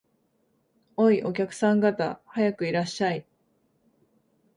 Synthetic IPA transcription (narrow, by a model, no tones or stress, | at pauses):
o̞iʔo̞kʲakɯ̟̥sãŋɡat̪a̰hajakɯ̟iɾaɕːai